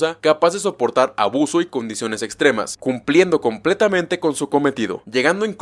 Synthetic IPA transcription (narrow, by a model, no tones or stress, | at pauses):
akapazðe̞s̬opo̞ɾt̪aɾa̰βuso̞iko̞nd̪isjo̞ne̞se̞kst̪ɾe̞ma̰skumplje̞nd̪o̞ko̞mple̞t̪amẽnt̪e̞ko̞nsuko̞me̞t̪ið̞o̞̰ʝe̞ɣand̪o̞ĩŋk